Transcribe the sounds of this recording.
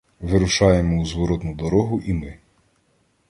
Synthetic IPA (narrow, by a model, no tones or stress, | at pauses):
ʋɪɾʊʃɑjemɔuzʋɔɾɔt̪nʊd̪ɔɾɔɦʊʔimɪ